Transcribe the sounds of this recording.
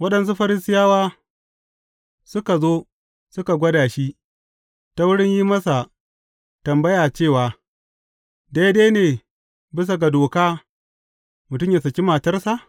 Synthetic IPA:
wɐ˦ɗɐ˨ns̬u˦ɸɐ˦ɾɪ˦sɪ˦jaː˦waː˦ | sʊ˦ka˨zoː˦ | sʊ˦ka˨ɡʷɐ˦daː˨ʃi˦ʔ | ta˦wʊ˦ɽɪ˦ɲjiː˦mɐ˦sa˨ | tɐ˨mbɐ˦jaː˨t͡ʃeː˦˨waː˨ | da˦jdeː˦neː˨ | bɪ˦s̬a˨ɡa˨doː˨kaː˦ | mʊ˨tʊ˦mja˨sɐ˨kʲi˦maː˨tɐ˦rsa˨ʔ

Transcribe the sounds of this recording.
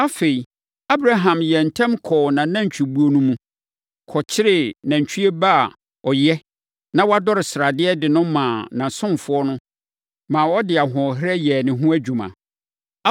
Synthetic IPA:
a˦fe˨i˨ | a˦bɾa˦ɦã˨mjɛ˨n̩˨tʰã˦mkʰɔː˨nã˨nã˦ɲ˨t͡ɕᶣi˨bu˨˦o˨nũ˦mũ˦ | kʰɔ˨t͡ɕʰɪ˦ɾɪ˨nã˨ɲ̩˨t͡ɕʰᶣi˦ɛ˦ba˦˨ | ɔ˨jɛ˦ | nã˦wa˦dɔ˦ɾɪ˨sɾa˨dɪ˦ɛ˦dɪ˨nʊ̃˦mãː˨nã˨sʊ̃˦mfʊ˦ɔ˦nʊ̃˦ | mãː˨wɔ˦dɪ˨a˨ɦɔ̃˨ɦɪ˦ɾɛ˦jɛ˨nɪ̃˨ɦũ˦æ˦d͡ʑᶣu˨mã̰˨˦

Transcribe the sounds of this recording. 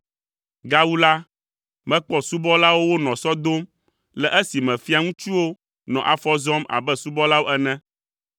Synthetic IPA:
ɡa˦wu˦la˦ | mɛ̃˦k͡pɔ˦su˦bɔ˦la˦wo˦wo˦nɔ̃˨sɔ˦d̪o˦m | lɛ˨ʔɛ˦si˨mɛ̃˨fi˦a˦ŋũ˦t͡ʃu˦wo˦ | nɔ̰̃˨ʔa̰˨fɔ˦zɔ˦ma̰˨bɛ˦su˦bɔ˦la˦wo˦ʔɛ˦nɛ̃˦

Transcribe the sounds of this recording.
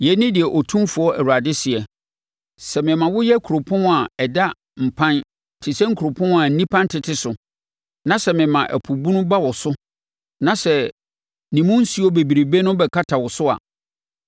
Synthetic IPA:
jɛ˨˦nɪ̃˦dɪ˨ɛ˨ʔɔ˨tʰũ˦mfʊ˨˦ɔ˦ʔæ˨wu˨ɾa˨dɪ˦sɪ˨ɛ˨ | sɛ˨mɪ̃˨mã˨wʊ˦jɛ˦kʰu˨ɾo˨pʰʊ̃˦n˦a˨ɛ˨da˦ | m̩˨pʰã˦n | tʰɪ˨sɛ̃˦ŋ̩˦kʰɾo˨pʰʊ̃˦n˨a˨n̩˨nĩ˦pʰã˦ntʰɪ˨tʰɪ˦sʊ˨ | nã˨sɛ˨mɪ̃˨mã˨ʔæ̰˨pʰu˨bũ˦nʊ̃˦ba˦wɔ˨sʊ˦ | nã˨sɛ˨ | nĩ˨mũ˦n̩˦si˦ɔ˦be˨bi˨ɾe˨be˦nʊ̃˦bɛ˨kʰa˦tʰa˨wʊ˨sʊ˦a̰˨

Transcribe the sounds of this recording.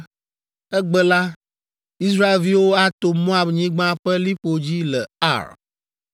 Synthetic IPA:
ɛ˦ɡ͡bɛ˦la˦ | i˦s̬ɾa˦e˨lvi˦wo˦a˦t̪o˨mɔ̃˦a˨bɲĩ˦ɡ͡bã˦ɸɛ˦li˦ɸo˨d͡ʑi˦lɛ˨a̰˦˨ɾ

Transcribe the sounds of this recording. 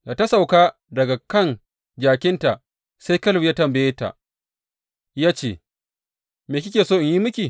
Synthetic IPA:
ja˨tɐ˦sa˨wkaː˦ | dɐ˨ɡa˨kɐ˦˨n | d͡ʒaː˨kʲɪ˦nta˨ | se˦jkɐ˦lbjaː˦tɐ˨mbɐ˨jeː˦ta̰˨ | jaː˦t͡ʃeː˦˨ | meː˨kʲɪ˦kʲeː˨soː˦ʔɪ˨ɲji˦mʊ˦kʲi˨

